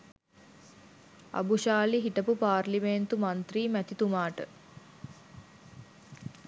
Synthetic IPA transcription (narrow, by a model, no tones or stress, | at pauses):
a̰buʃaːliɦiʈəpupaːrliment̪umant̪riːmæt̪it̪umaːʈə